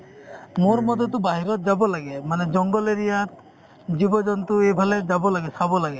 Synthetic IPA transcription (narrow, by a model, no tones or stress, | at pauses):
moɾmɔd̪ʱɔt̪̬ubaɦiɾɔt̪̚d͡ʒabɔlaɡemaned͡ʒɔŋɡɔleɾijat̪ | d͡ʒibɔd͡ʒɔnt̪uebʱaled͡ʒabɔlaɡesabɔlaɡe